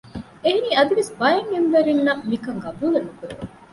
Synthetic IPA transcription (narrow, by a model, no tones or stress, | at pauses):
eɦeniːɐd̪iʋesbɐjɐŋemʋɐɾinːɐmikɐŋɡɐbuːlɐnukuɾḛʋ